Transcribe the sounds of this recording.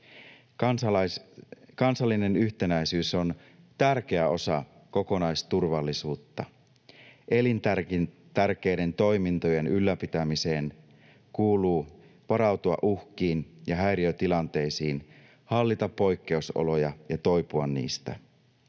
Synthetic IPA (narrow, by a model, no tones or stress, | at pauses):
kɑnsɑlːine̞nyçt̪e̞næjsyːso̞n | t̪ærk̟e̞æo̞sɑ̰ | ko̞ko̞nɑjst̪urʋɑlːisuːt̪ːɑ | ʔe̞lint̪ær | t̪ærk̟e̞jde̞nt̪o̞jmint̪oje̞nylːæpit̪æmise̞ːn | kuːluː | ʋɑɾɑwt̪uɑ̰ʔuhkiːnjɑɦæjɾiøt̪ilɑnt̪e̞jsiːn | hɑlːit̪ɑpːo̞jkːe̞uso̰lo̞jɑjɑt̪o̞jpuɑnːḭːst̪æ̰